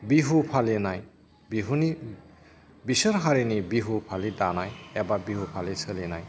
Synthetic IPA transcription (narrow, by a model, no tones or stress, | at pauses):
biɦupʰalenaj | biɦuni | bisəɾɦaɾinibiɦupʰalidanajebabiɦupʰalisɯlenaj